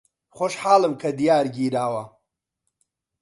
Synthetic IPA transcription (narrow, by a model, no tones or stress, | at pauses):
χoʃħaːlɨmkʰɐd̪ijaːɾɡiːɾaːwɐ